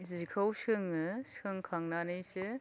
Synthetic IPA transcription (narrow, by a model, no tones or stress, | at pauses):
zikʰawsɯŋɯskʰɯŋkʰaŋnanɯjse